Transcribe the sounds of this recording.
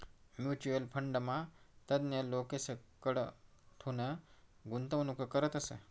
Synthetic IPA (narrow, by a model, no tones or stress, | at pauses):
mjut͡ɕuəlpʰəɳɖəmat̪əd̪njəlokesəkəɽ | t̪ʰunəɡunt̪əʋɐnukəkəɾət̪əsə̰